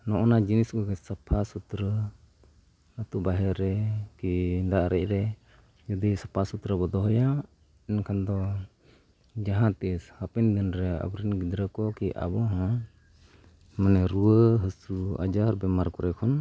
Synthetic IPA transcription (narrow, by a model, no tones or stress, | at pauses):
nɔʔɔnad͡ʒinisɡɔɡɛsapʰasut̪ɾə | ət̪uʔbaɦɛɾɛkid̪aʔɾɛc̚ˀɾɛ | d͡ʒud̪isapʰasut̪ɾəbɔd̪ɔɦɔja | ɛnkʰand̪ɔ | d͡ʒaɦãt̪ishapɛnd̪inɾɛa̰bɾinɡid̪ɾəkɔkiʔa̰bɔɦɔ̃ | manɛɾuəɦəsua̰d͡ʒaɾbɛmaɾkɔɾɛkʰɔn